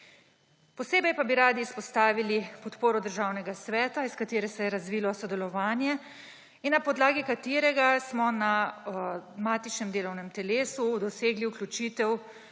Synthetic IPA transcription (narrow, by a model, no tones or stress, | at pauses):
pɔseːbɛjpabiɾaːd̪iːspɔst̪aːʋilipɔt̪poːɾɔd̪əɾʒaːwnɛɡasʋɛːt̪aiskat̪eːɾɛsɛjɛɾazʋiːlɔsɔd̪ɛlɔʋaːnjɛ | inːapɔd̪laːɡikat̪eːɾɛɡasmɔna | maːt̪it͡ʃnɛmd̪eːlɔwnɛmt̪ɛleːsud̪ɔseːɡliuklʲjut͡ʃiːt̪ɛw